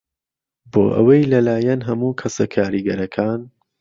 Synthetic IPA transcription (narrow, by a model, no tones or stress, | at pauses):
bo̰ːʔɐ̰wɐjlɐlaːjɐnɦɐmuːkʰɐsɐkʰaːɾiːɡɐɾɐkʰaːn